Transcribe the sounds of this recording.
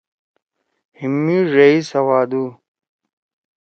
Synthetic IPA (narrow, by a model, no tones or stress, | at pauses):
himːiʐeisɐwaːd̪u